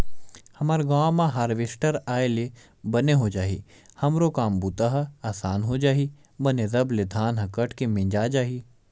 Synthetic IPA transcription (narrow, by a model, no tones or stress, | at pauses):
hɐmaɾɡaːmãɦaːɾʋesʈəɾaːele | bɐneɦod͡ʒaːɦḭː | hɐmɾokaːmbuːt̪aɦɐaːsaːnɦod͡ʒaːɦi | bɐnezɐbled̪ʱaːnɦɐkɐʈʰkemẽnd͡ʒaːd͡ʒaːɦi